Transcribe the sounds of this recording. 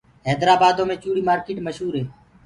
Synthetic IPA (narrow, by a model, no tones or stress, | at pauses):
ɦɛːd̪ɾaːbaːd̪õːmẽːt͡ʃuːɽiːmaːɾkeːʈməʃɦuːɾɦeː